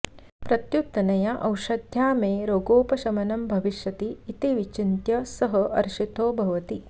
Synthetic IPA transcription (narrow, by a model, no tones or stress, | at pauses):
pɾɐt̪jut̪ːɐnɐjɐʔɐwʂɐd̪ʱjaːmeːɾoːɡoːpɐʃɐmɐnɐmbʱɐʋiʃjɐt̪iːt̪iʋit͡ʃint̪jɐsɐɦɐʔɐɾʃit̪oːbʱɐʋɐt̪i